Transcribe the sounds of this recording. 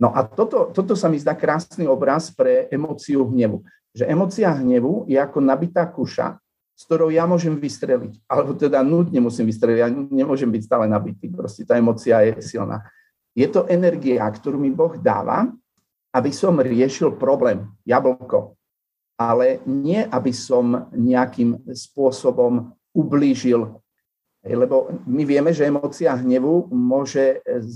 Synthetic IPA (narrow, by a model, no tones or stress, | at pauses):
nɔʔat̪ɔt̪ɔt̪ɔt̪ɔsamizd̪aːkɾaːsniːɔbɾaspɾɛʔɛmɔt͡siuɦɲɛʋu | ʒɛʔɛmɔːt͡siaɦɲɛʋujɛakɔnabit̪aːkuʃa̰ | skt̪ɔɾɔʊjamʊɔʒɛmʋist̪ɾɛlḭcalɛbɔt̪ɛd̪anut̪ɲɛmusimʋist̪ɾɛliɟjaɲɛmʊɔʒɛmbicst̪aːlɛnabit̪iːpɾɔscɛt̪aːɛmɔt͡siajɛsilnʔa̰ː | jɛt̪ɔʔɛnɛɾɡiakt̪ɔɾuːmibɔɣd̪a̰ːʋa̰ | abisɔmɾɪɛʃilpɾɔblɛːmjabl̩kɔ | ʔalɛɲɪɛʔabisɔmɲɛakimspʊɔsɔbɔm | ubliːʒil | ɦɛ̰jlɛbɔmiʋɪɛmɛʒɛɛmɔːt͡siaɦɲɛʋumʊɔʒɛ